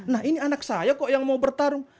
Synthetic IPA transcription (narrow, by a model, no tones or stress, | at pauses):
nahinianaksajakɔʔjaŋmaubərt̪aɾʊŋ